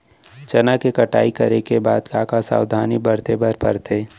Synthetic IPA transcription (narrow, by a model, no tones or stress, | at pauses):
t͡ʃɐnakekɐʈa̰ːikɐɾekeba̰ːd̪kaːkasa̰ːwd̪ʱaːnibəɾt̪ebəɾpəɾt̪ʰeː